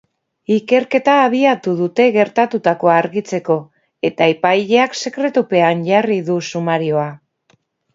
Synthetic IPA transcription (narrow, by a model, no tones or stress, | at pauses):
ike̞ɾke̞t̪aːβ̞iat̪uð̞ut̪e̞ɣe̞ɾt̪at̪ut̪ako̞aɾɣit͡se̞ko̞ | e̞t̪aeipajʎe̞akse̞kɾe̞t̪upe̞anʝariðusumaɾio̞a